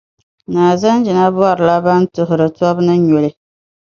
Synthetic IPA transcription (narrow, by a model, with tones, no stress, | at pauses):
naː˨za˦n˦d͡ʒɪ˨na˦bɔ˦˨ɾɨ˨la˦ba˦n˦tʊ˨ɦʊ˨ɾɨ˨tɔ˦bnɨ˦ɲo˨lɪ˦